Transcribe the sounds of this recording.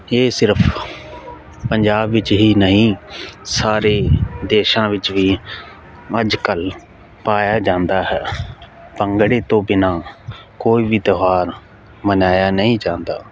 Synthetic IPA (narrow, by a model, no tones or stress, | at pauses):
eːsɪɾpʰ | pəɲd͡ʒaːbʋɪt͡ʃɦiːnəɦĩːsaːɾeːd̪eːʃãːʋɪt͡ʃʋiː | əd͡ʒkəl | paːjaːd͡ʒãːnd̪aːɦɛː | pəŋɡɽeːt̪õːbɪnaːkoːiːʋiːd̪əɦaːɾ | mənaːjaːnəɦĩːd͡ʒãːnd̪a̰ː